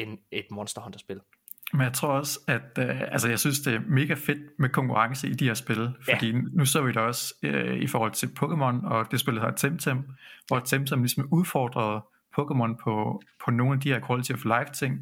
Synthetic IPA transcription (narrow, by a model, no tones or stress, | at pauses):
ened̥mɒnsd̥ɐhɒnd̥ɐsb̥e̝l | menjɑɪt͡sʰʁo̝ɐ̰ɒ̽sæd̥ælsəjɑɪsynsd̥e̝æɐme̝ːɡ̥æfe̝d̥mekʰɒ̽ŋkʰuʁɑ̈ŋsəid̥iheɐsb̥e̝lfɒd̥ḭːnuseɐ̰ʋid̥ɑ̈ɒ̽søifɒːhɒ̽l̰t͡sʰe̝lpʰɔ̽ɡʰemɒ̽nɒ̽d̥e̝sb̥e̝lɐhɑ̈d̥t͡sʰemt͡sʰem̰ʋɒ̥t͡sʰemt͡sʰemlisɒmuðˠfɒːd̥ʁɐð̞ˠ | pʰɔ̽kemɒ̽npʰɒ̽pʰɒ̽no̝ːn̩æd̥ihæɐkʰʁolt͡sʰiflɑ̈ɪft͡sʰe̝ŋ̰